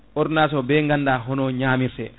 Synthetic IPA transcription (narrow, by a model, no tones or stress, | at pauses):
ʔɔɾnasɔbɛŋɡandaːɦɔnɔɲaːmiɾsɛ